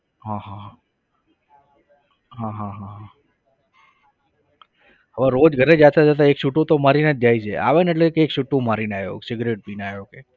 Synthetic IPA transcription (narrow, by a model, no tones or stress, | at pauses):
ɦãɦãɦ | ɦãɦãɦãɦã | ɦəʋaɾod͡ʒɡʱəɾed͡ʒat̪ad͡ʒət̪̬aekʃuʈut̪omaɾinad͡ʒd͡ʒajt͡ʃʰeʔa̰ʋeneʈ̬lekekʃuʈːũmaɾinajo̰ksɪɡɾeʈ̚binajoke